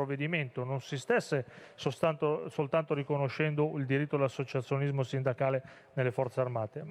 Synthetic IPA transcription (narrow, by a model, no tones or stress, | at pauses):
ovːed̪iment̪ononsist̪ɛsːe | sot̪ant̪osolt̪ant̪oɾikonoʃːɛnd̪oild̪iɾit̪ːod̪alasːot͡ʃat̪sːjonizmosind̪akaːle | nelːefɔrt̪searmaːt̪e